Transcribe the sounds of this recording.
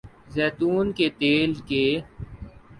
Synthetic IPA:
zɛːt̪uːnket̪eːlkeː

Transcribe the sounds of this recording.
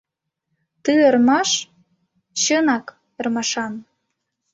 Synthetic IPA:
t̪ɨərmɑʃ | t͡ɕənɑk | ərmɑʃɑn

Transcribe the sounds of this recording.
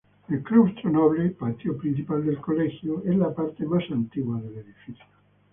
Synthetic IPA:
ilklubst̪ɾonɔβlepat̪jopɾint͡ʃipald̪elkolɛxjoɛlapaɾt̪emasant̪iɣwaðelːeðifiθjo

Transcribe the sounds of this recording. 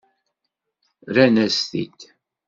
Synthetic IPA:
ɾænæst̪ḭt̪

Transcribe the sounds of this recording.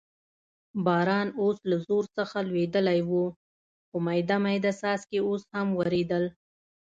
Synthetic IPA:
bɑɾɑnoslazoɾsəxalwed̪əlajwu | xəmajd̪amajd̪asɑzkeoshamwaɾed̪əl

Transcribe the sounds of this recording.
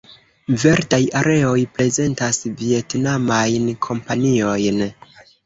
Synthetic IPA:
ve̞ɾtajaɾe̞o̞jpɾe̞ze̞ntasvie̞tnamajnkʰo̞mpanio̞jn

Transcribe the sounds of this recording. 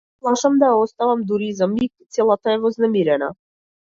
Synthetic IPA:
plˠaʃamd̪ajaɔst̪avamd̪uɾizamikt̪sɛlˠat̪aɛvɔznɛmiɾɛna̰

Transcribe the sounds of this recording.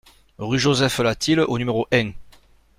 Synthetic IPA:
ʁyʒozɛflat̪ilʔonymeʁoʔɛ̃

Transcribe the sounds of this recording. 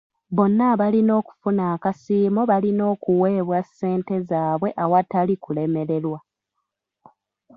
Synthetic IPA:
βo̞nːaːβalino̞ːku̥funaːkasiːmoβalino̞ːkuwe̞ːβwasːe̞ːnte̞zaːβwe̞ʔawatalikule̞me̞ɾe̞lwa

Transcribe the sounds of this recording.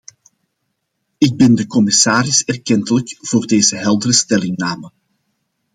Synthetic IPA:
ɪɡ̚bɛndəkɔmɪsaːɾɪsɛrkɛntələkv̥oːrdeːzəɦɛlˠdərəstɛlɪŋnaːmə

